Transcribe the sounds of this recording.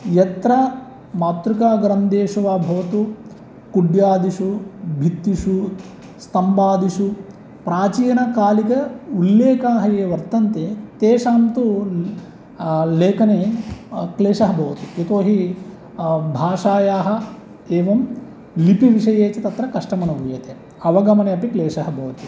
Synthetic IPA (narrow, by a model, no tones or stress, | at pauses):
jɐt̪ɾɐ | maːt̪ɾukaːɡɾɐnd̪eːʂuʋaːbʱɐʋɐt̪u | kuɖjaːd̪iʂubʱit̪ːiʂu | st̪ɐmbaːd̪iʂu | pɾaːt͡ʃiːjɐnɐkaːlikɐulːeːkaːɦɐjeːʋɐɾt̪ɐnt̪eːt̪eːʂaːmt̪u | leːkɐne | kleːʂɐɦɐbʱɐʋɐt̪uet̪oːɦi | bʱaːʂaːjaːɦɐ̆ | eːʋɐm | lipiʋiʂɐjeːt͡ʃɐt̪ɐt̪ɾɐkɐʂʈɐmɐnɐʋujɐt̪e | ɐʋɐɡɐmɐneɐpikleːʂɐɦɐbʱɐʋɐt̪u